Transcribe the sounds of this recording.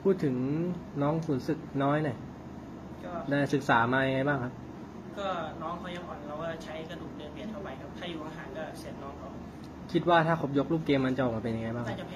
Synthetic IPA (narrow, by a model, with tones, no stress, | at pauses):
pʰuː˥˩t̪ʰːɯ˩˦ŋnɔː˦˥ŋsuː˩˦nsɯ˨˩k̚nɔː˦˥jna˧˩j | kɔː˥˩daː˥˩jsɯ˨˩k̚saː˩˦maː˧ja˧ŋa˧jbaː˥˩ŋkʰa˦˥p̚ | kɔː˥˩nɔː˦˥ŋkʰa˧˦˥wt͡ɕa˨˩pʰɔ˨˩˦nlaː˦˥wkaː˥˩t͡ɕʰa˦˥jka˧duː˨˩k̚lɯ˧˩əpi˨˩ət̪ʰa˥˩wpa˧jkʰa˦˥p̚t̪ʰaː˥˩juː˨˩ʔʰa˧ɦaː˨˩˦nkɔː˥˩si˨˩˦nnɔː˦˥ŋkʰa˧˩w | kʰi˦˥t̪̚waː˥˩t̪ʰaː˥˩kʰo˨˩p̚jo˦˥k̚luː˥˩p̚keː˧mːa˧nt͡ɕa˨ʔɔː˨˩ma˨˩pe˧ja˧ŋa˧jbaː˥˩ŋkʰa˧˦˨